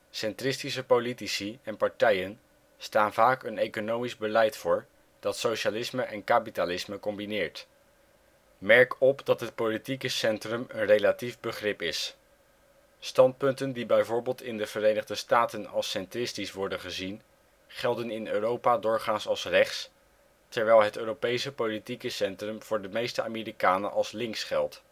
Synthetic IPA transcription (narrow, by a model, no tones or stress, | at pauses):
sɛntrɪstisəpolitisiɛnpɑɹtɛjən | staːnvaːkənejkonowmizbəlɛjtfʊːɹ | d̥ɑtsowʃalɪsməʔɛnkaːpitalɪsməkɔmbinɪːɹt | mɛɹkɔpdɑtɦət̚politikəsɛntrəmənrejlativbəχrɪpɪs | stɑnt̚pɵntəndibɛjvʊːɹbeːlˠtɪndəv̥əɾejnəχdəstaːtənɑlˠsɛntrɪstisʋɔɹdənχəzin | χɛlˠdənɪnøːrowpaːdʊːɹχaːnsɑlˠsrɛχts | tɛɹʋɛjlˠɦətøːrowpejsəpolitikəsɛntrəmv̥ʊːɹdəmejstəa̰ːmiːrikaːnəʔɑlˠslɪŋksχɛlˠt